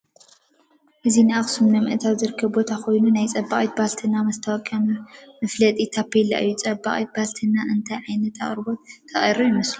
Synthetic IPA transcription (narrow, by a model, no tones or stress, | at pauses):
ʔɨzinɨaχsumnɐmɨʔt̪ʰawzɨɾɨkʰːɐbbo̞t̪ʰako̞jnunajt͡sʼɐbaχʼit̪balt̪ʰɨnamɐst̪ʰɐwɐkʼamɐmɐflɐt̪ʼit̪ʰapːelːa̰ʔɨjːut͡sʼɐbːa̰χʼit̪̚balt̪ʰɨnaʔɨnt̪ʰajʕajnɐt̪ʰa̰χʼɾɨbot̪t̪ʰɐχʼɐ̰ɾojimɐslu